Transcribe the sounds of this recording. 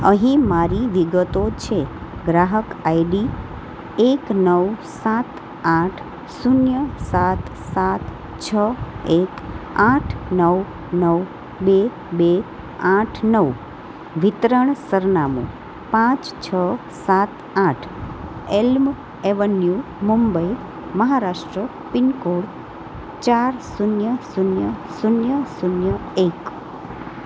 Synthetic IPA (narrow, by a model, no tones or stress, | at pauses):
əɦĩmaɾiʋiɡət̪ot͡ʃʰeɡɾaɦəkajɖi | eknəwsat̪ | ãʈʰ | sunjəsat̪sat̪ | t͡ʃʰəekãʈʰnəw | nəw | be | be | ãʈʰnəʋ | ʋɪt̪ɾəɳsəɾnamṵ̃ | pãt͡ʃt͡ʃʰə | sat̪ | ãʈʰelm | eʋənju | mumbəi | məɦaɾaʃʈɾə | pɪnkoɽ | t͡ʃaɾsunjəsunjəsunjəsunjəek